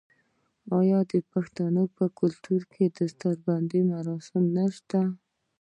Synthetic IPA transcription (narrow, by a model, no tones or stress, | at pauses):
ɑjɑd̪əpaxt̪anəpəkʊlt̪uɾkʰed̪əst̪aɾband̪imaɾɑsɪmnaʃt̪a